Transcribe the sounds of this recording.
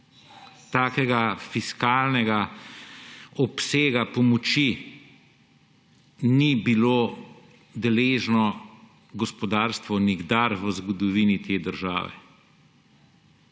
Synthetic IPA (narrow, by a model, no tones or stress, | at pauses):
t̪aːkɛɡafiskaːlnɛɡa | ɔpseːɡapɔmɔt͡ʃi | nibiloː | d̪ɛleːʒnɔ | ɡɔspɔd̪aːɾst̪ʋɔniɡd̪aɾʋəzɡɔd̪ɔʋiːnit̪ʰeːd̪əɾʒa̰ːʋɛ̰